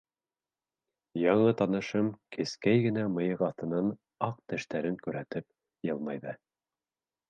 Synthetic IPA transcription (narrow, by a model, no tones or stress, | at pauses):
jɑɴɤt̪ɑnɤ̆ʃɤmkʰɘ̆skæjɡɘ̆næmɤ̆jɤʁɑθt̪ɤ̆nɑn | ɑq̚t̪ɘ̆ʃt̪æɾɘŋkʉɾæt̪ɘp̚ | jɤlˠmɑjðɤ